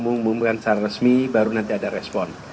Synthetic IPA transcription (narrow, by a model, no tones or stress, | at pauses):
muŋmumkansaɾarəsmibaɾunant̪iadaɾɛspɔn